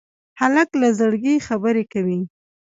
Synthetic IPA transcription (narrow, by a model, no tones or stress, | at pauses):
halaklazəɽɡixabəɾekawi